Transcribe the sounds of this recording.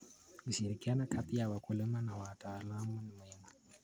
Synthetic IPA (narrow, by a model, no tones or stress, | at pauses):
kuʃiɾikianakʰapijawakulɪmanawataːlamunimuhima